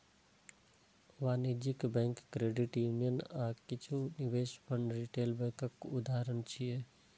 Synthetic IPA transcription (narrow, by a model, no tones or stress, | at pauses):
ʋaːnid͡ʒikbɛ̃ːŋkːɾeːɖɪʈjuːnijənaːkɪt͡ʃʰuniʋeːʃpəɳɾiʈeːlbɛ̃kəkʊd̪aːɾənt͡ʃʰije